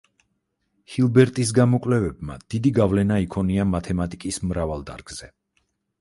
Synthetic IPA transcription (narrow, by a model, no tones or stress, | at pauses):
hilˠbɛɾt̪ʼis̬ɡamɔkʼlɛvɛbma̰d̪̥id̪iɡavlɛnaikʰɔniamat̪ʰɛmat̪ʼikʼismɾavalˠd̪a̰ɾɡ̥z̥ɛ